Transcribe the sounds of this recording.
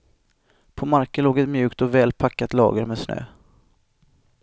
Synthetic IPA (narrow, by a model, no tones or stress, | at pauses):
pʰɔmaɾkəloːɡɛt̪mjʉ̟ːkt̪ɔvɛːlpʰakːat̪lɑ̰ːɡəɾmeːd̪snø̰ː